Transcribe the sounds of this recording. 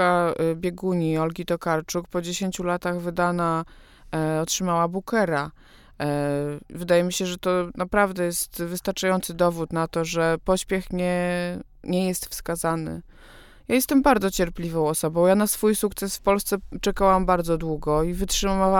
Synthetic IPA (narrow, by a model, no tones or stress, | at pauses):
abʲjɛɡuɲiɔlɡʲit̪ɔkaɾt͡ʂukpɔd͡ʑeɕeɲt͡ɕulat̪aɣvɘd̪ana | ɔtʂɘmawabukɛɾa | vɘd̪ajɛmʲiɕɛʐɛt̪ɔnapɾavd̪ɛjɛst̪vɘst̪aɾt͡ʂajɔnt̪sɘd̪ɔvut̪nat̪ɔʐɛpɔɕpʲjɛxɲɛ | ɲɛjɛst̪fskazanɘ̰ | jajɛst̪ɛmbaɾd̪zɔt͡ɕɛɾplʲivɔ̃w̃ɔsɔbɔ̃w̃janasfujsuk̚t̪sɛsfpɔlst̪sɛt͡ʂɛkawambaɾd̪zɔd̪wuɡɔivɘtʂɘaa